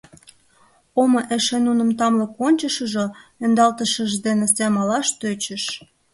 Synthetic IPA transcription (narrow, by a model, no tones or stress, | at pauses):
omoʔeʃenunə̆mt̪ɑmlə̆konʲt͡ɕəʃəʒoend̪ɑlt̪əʃəʒd̪enesæmɑlɑʃt̪øt͡ɕə̆ʃ